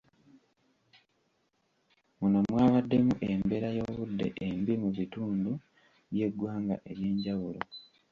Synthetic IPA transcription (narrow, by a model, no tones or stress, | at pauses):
munomwaːβadːe̞muʔe̞mbe̞ɾajo̞ːβudːe̞̰ʔembimuβituːndu | βje̞ɡwaːŋɡa̰ʔe̞ɾje̞ːɲɟaβulo